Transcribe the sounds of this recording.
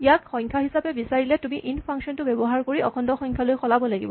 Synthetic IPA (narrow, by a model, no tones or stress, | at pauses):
ijakxɔɲkʰaɦisapɛbisaɹilɛtumiʔinpʰaŋksɔntʊbebɔɦaɹkoɹiʔɔkʰɔndɔxɔɲkʰalojxɔlabɔlaɡḭbɔ